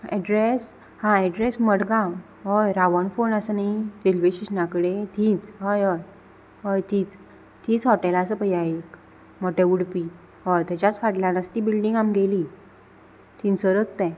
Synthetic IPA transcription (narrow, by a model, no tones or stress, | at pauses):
ɛ̰ɖɾes | hãɛɖɾesməɽɡã | ɦojɾaʋənfonəsənaiɾilʋeɕiɕnakəɽet̪ʰĩːt͡sɦojɦoj | ɦojt̪iːt͡s | t̪iːt͡sɦɔʈelaəsəpəjaek | mɔʈeʋuɽpi | ɦɔjt̪ɛt͡ɕat͡sfaʈlãnəst̪iːbilɖiŋɡamɡeliː | t̪ʰiːnsəɾət͡st̪ɛ̃